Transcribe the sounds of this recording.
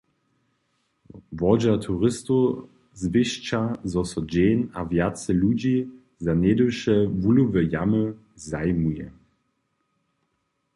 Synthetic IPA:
vɔd͡ʑat̪ʰuʁɪsto | zvɪɕt͡ʃazɔsɔd͡ʑeːnavjat͡sɛlud͡ʑi | zanedəwʃɛvuluvəjamə | zajmujɛ̰

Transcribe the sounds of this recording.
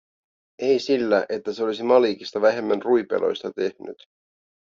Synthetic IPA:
e̞jsilːæʔe̞t̪ːæseo̞lisimɑliːkist̪ɑʋæɦe̞mːænrujpḛlʔo̞̰jst̪ɑt̪e̞hny̰t̪

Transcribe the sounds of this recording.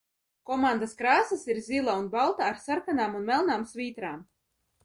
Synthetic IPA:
kɔmand̪askɾaːsasiɾzʲilˠaunbalˠt̪aːɾsaɾkanaːmunmɛlˠnaːmsvʲiːt̪ɾaːm

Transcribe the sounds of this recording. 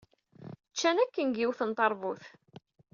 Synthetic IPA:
t͡ʃːænækːənɡiwθənt̪ˤɑɾˤvuθ

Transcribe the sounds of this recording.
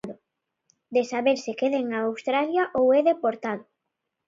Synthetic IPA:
ðʊ | d̪esaβeɾsɪkeðeŋaːwst̪ɾaljaʔowɛðepoɾt̪aðʊ

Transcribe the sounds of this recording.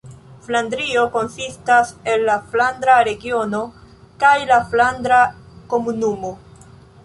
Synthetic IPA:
flandɾio̞ko̞nsistase̞lːaflandɾaɾe̞ɡio̞no̞ | kajlaflandɾa | ko̞munumo̞

